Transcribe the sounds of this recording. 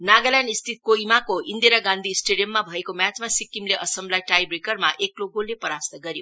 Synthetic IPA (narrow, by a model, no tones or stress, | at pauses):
naɡʌljanist̪ʰit̪̚koimakoind̪eɾaɡãnd̪ʱiːsʈeɖijʌmːabʱʌekomjat͡smasikːimleʔʌsʌmblajʈajbrekʌrmaʔekloɡolːepʌɾast̪ʌɡʌɾjo